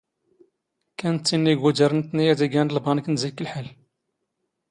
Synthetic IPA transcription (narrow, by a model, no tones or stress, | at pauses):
kænt̪ːinːiɡwæd͡ʒəɾˤnt̪nijæd̪æɡænlbɑnəknzækːəlħal